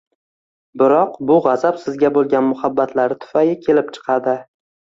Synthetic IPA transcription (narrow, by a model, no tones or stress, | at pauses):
bɪɾɒqbʊʁɑzapsɪzɡʲabolˠɡʲanmʊhabːat̪ʰlaɾɪt̪ʰʊ̥fajɪkʲʰe̞lɪp̚t͡ʃʰɨ̥qʰɑd̪ɪ